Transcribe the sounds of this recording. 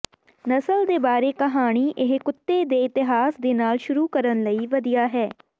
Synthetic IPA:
nəsəld̪eːbaːɾeːkəɦaːɽ̃iːʔɪɦkʊt̪ːeːd̪eːɪt̪ɪɦaːsd̪eːnaːlʃʊɾuːkəɾənləiːʋəd̪ijaːɦɛː

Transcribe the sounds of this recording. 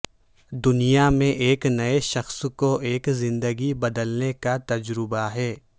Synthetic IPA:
d̪ʊnijamẽʔeːknɐeʃɐxskoʔeːkzɪ̃nd̪əɡibɐd̪əlnekat̪ɐd͡ʒɾɪbaɦɛː

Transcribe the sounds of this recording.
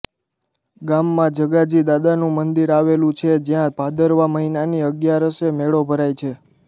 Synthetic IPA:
ɡamːãd͡ʒəɡad͡ʒid̪ad̪anũmənd̪iɾaʋelũt͡ʃʰed͡ʒjãbʱad̪əɾʋaməɦinaniəɡjaɾəʃemeɭobʱəɾajt͡ʃʰe

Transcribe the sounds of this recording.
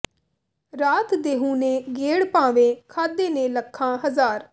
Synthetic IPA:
ɾaːt̪d̪eːɦũːnẽːɡeːɽpãːʋeːkʰaːd̪eːnẽːləkʰːãːɦəzaːɾ

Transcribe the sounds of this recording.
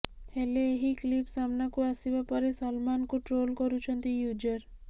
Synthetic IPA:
heleeɦiklipsamnakuasibapɔɾesɔlmankuʈɾolkɔɾut͡ʃʰɔnt̪ijud͡ʒəɾ

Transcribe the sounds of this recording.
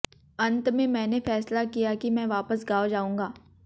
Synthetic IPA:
ɐ̃nt̪mẽmɛ̃ːnefɛːslakijakimɛ̃ːʋaːpəsɡaːod͡ʒaːũːŋɡaː

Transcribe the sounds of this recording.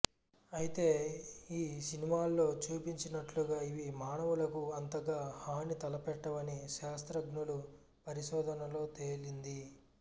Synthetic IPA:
ɐjit̪e̞ːiːsinimaːlːo̞ːt͡ʃuːpiɲt͡ʃinɐʈluɡaːiʋimaːɳɐʋulɐkuɐnt̪ɐɡaːhaːnit̪ɐlɐpɛʈːɐʋɐniʃaːst̪ɾɐɡnulu | pɐɾiʃɔːd̪ʱɐnɐlo̞ːt̪e̞ːlind̪i

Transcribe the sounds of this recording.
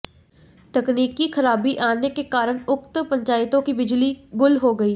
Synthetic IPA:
t̪əkniːkiːkʰəɾaːbiːʔaːneːkeːkaːɾəɳʊkt̪pəɲt͡ʃaːɪt̪õːkiːbɪd͡ʒliːɡʊlɦoːɡəiː

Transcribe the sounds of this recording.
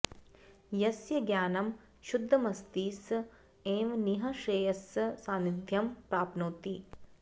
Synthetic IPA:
jɐsjɐɡjaːnɐm | ʃud̪ʱːɐmɐst̪iːs | eːmniɦɐʃeːjɐssaːnid̪ʱjɐmpɾaːpnuːt̪i

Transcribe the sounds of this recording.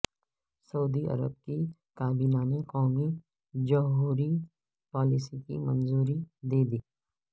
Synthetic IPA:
sɐud̪iɐ̰ɾə̰b̚ki | kaːbimaːnekɔːmi | d͡ʒɐɦuːɾi | pɔːlɪsikḭmɐnzuːɾid̪eːd̪iː

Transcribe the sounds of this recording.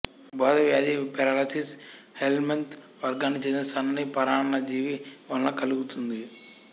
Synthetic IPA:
baːd̪ɐʋjaːd̪ipeɾaːlɐsis | helment̪ | ʋɐɾɡaːnːit͡ʃeːninɐst̪ʰɐnɐnipɐɾaːɳɐnɐd͡ʒiːʋiʋɐːnlɐkɐluɡut̪und̪i

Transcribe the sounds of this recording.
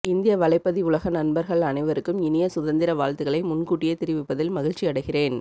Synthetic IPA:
ɪnd̪ɪjɐʋɐlɐɪpːɐðiʊɭɐɣɐnɐnbɐɾɣɐɭɐnɐɪʋɐɾɯkːɯmɪnɪjɐsʊðɐnd̪ɪɾɐʋaːɻt̪ɯɣɐɭɐɪmʊnkuːʈːɪjɐt̪ɪɾɪʋɪpːɐðɪlmɐɣɪɻt͡ʃːiɐɽɐɪɣɪreːn

